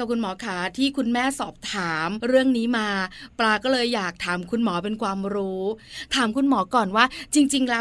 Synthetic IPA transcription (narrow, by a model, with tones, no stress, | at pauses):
a˨˩p̚kʰu˧nmɔː˩˦kʰa˦˩t̪ʰiː˥˩kʰu˧nmɛː˥˩sɔː˨˩p̚t̪ʰaː˩˦mɾɯ˥˩əŋniː˦˥maː˧plaː˧kɔː˥˩lɤː˧jːaː˨˩k̚t̪ʰaː˩˦mkʰu˧nmɔː˩˦pe˧nkʰwaː˧mɾuː˦˥t̪ʰaː˩˦mkʰu˧nmɔː˩˦kɔː˨˩nwaː˥˩t͡ɕi˧ŋt͡ɕi˧ŋlɛ˦˥